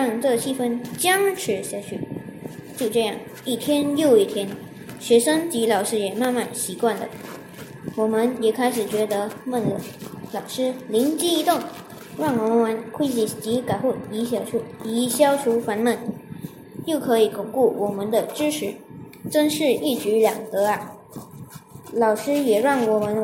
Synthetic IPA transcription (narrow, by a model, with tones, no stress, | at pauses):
ɻɑ˥˧ŋʈ͡ʂɤ˥˧˩ɕi˥˩fə˥nt͡ɕjɑ˥ŋʈ͡ʂʰɻ̩˧˥ɕja˧˥ɕʰɛ̰˧˥ | t͡ɕjo˥˧ʊʈ͡ʂɤ˥˧jɑ̰˥˩ŋ | i˥˩t̪ʰjɛ˥njo˥˧ʊi˥˩t̪ʰjɛ˥n | ɕɥɛ˧˥ʂɤ˥ŋt͡ɕi˧˥lɑ˨˩ʊʂɻ̩˥jɛ˨˩ma˥˧nma˥˩nɕi˧˥kwa˥˩nd̪ə̰˨˩ | wɔ˨˩mə˦˥njɛ˨˩kʰa˥ɪʂɻ̩˨˩t͡ɕɥɛ˧˥d̪ə˧˦mə˥˩nlə˧˩lɑ˨˩ʊʂɻ̩˥li˧˥ŋt͡ɕi˥i˧˥t̪ʊ˥˩ŋ | ɻɑ˥˩ŋwɔ˨˩mə˧˦nwa˧˥nkʰwe˥ɪt͡ɕi˨˩t͡ɕi˧˥ka˨˩ɪxu˥˩i˧˥ɕ̬jɑ˨˩ʈ͡ʂʰu˥˩i˧˥ɕjɑ˥ʊʈ͡ʂʰu˧˥fa˧˥nmə˥˩n | jo˥˩ʊkʰɤ˧˥i˨˩kʊ˨˩ŋku˥˩wʔɔ˨˩mə˧˦nd̪ə˧ʈ͡ʂɻ̩˥ʈ͡ʂʰɻ̩˧˥ʈ͡ʂə˥ŋʂɻ̩˥˧i˥˩t͡ɕy˧˥ljɑ̰˨˩ŋd̪ɤ˧˥ɐ˧ | lɑ˨˩ʊʂɻ̩˥jɛ˨˩ɻɑ˥˩ŋwɔ˨˩mə˧˦n